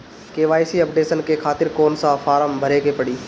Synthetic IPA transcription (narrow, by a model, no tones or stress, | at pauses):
keːʋaːisiɐpɖeːsənkʰeːxʰaːt̪ɪɾkoːnsãfaːɾəmbʱəɾekʰeːpɐɽiː